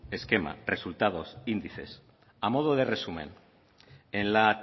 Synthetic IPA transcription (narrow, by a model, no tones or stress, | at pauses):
e̞ske̞ma̰re̞sult̪að̞o̞sind̪iθe̞̰s | amo̞ð̞oð̞ere̞sume̞̰n | enla